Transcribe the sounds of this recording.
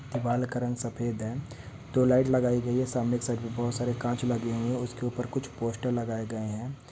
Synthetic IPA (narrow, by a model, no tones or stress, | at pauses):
d̪ɪbaːlkəɾə̃ŋɡsɐpʰeːd̪ɦɛ̃ | t̪oːlaːɪʈlɐɡaːiɡɐiɦɛ̃saːmnɪksaːʈbibɔɦʊt̪saːɾekãːt͡ʃlɐɡeɦũɛ̃ʊskeuːpəɾkʊt͡ʃʰpoːsʈəɾlɐɡaːeɡɐeɦɛ̃ː